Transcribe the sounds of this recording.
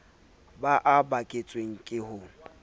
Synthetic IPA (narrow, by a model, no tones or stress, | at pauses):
baʔabakʼet͡sʼweŋ̩kʼɪhʊ